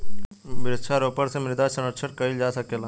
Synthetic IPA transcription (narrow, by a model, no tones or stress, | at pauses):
bɪɾɪtʃʰaɾoːpəɾsemɪɾd̪asɐnəʈʃʰəʈkɐid͡ʒaːsɐkeːlaː